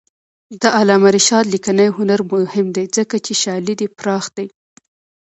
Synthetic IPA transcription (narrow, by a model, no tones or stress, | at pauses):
d̪əʔalɑmaɾiʃɑd̪likanajɦʊnaɾmʊhɪmd̪ejd͡zəkat͡ʃeʃɑlid̪ipɾɑxd̪̥aj